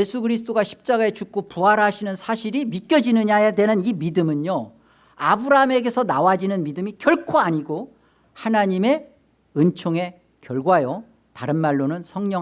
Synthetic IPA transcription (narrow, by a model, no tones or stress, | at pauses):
esʰuɡɯɾis̬ʰɯ̥t͈oɡaɕʰi̥p̚t͡ɕ͈aɡae̞t͡ɕuk̚k͈opuɦaɾɦaɕʰinɯnsʰaɕʰiɾimit̚k͈jʌd͡ʑinɯɲajedwe̞nɯnimidɯmɯɲjo | abɯɾaɦme̞ɡe̞sʰʌnawad͡ʑinɯnmidɯmikjʌɭkʰoaɲiɡo | hanaɲime̞ | ɯnt͡ɕʰoŋe̞ | kjʌɭɡwajo | taɾɯnmaɭːonɯnsʰʌŋɲʌ